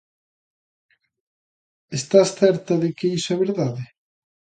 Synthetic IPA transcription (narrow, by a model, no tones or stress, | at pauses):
est̪asθɛɾt̪ɐðɪkeisʊaβeɾðaðɪ